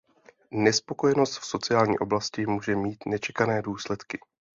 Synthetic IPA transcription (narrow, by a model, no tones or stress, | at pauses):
nɛspo̞ko̞jɛno̞st̪fso̞t͡sɪjaːlɲḭːʔo̞blascɪmuːʒɛmiːt̪nɛt͡ʃɛkanɛːduːslɛt̪kɪ̥